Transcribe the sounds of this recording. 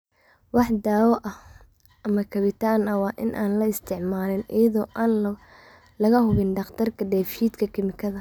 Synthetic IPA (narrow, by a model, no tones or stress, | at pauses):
wɑħd̪aːwɔʔɐh | ʔɐmɐkʰɐβɪt̪ʰaːnɐwɑːʔɪnʔaːnlɐɪst̪ʰɪʕmaːlɪnɪ̰jɐðɔːʔaːn | lɐɣɐhʊβɪnɖɑqt̪ʰɐrkʰɐɖɛːfʃiːt̪kʰɐkʰɪmɪkʰɐðɐ